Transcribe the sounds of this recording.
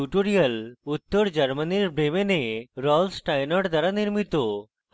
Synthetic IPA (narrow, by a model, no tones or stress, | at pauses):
uʈoɾijəlut̪ːəɾd͡ʑəɾməniɾbɽemeneɾɔlsʈajnəʈd̪ʱaɾaniɾmit̪ːo